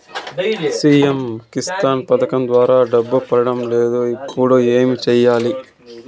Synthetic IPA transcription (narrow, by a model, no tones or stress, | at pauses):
siːjemkist̪aːnpɐd̪ɐkɐmd̪ʋaːɾaːɖɐbːupɐɾɐɽɐmleːd̪oːipːuɽuːeːmit͡ʃɛjːaːli